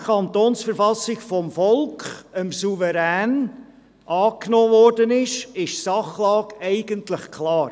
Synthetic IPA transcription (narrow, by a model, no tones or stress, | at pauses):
kʰɑnt̪oːnsfəɾfɑsɪɡfɔmfɔlkχəmsuvəɾæːn | ʔɑːknoːvɔrdənɪʃɪʃsɑχlɑːɡɛɪɡəntləχkʰlɑːɾ